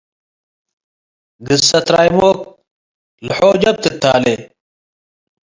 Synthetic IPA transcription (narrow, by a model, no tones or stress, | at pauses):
ɡisːɐt̪ɾaːjmoːk̚ | lħoːd͡ʑɐb̚t̪et̪ʰaːle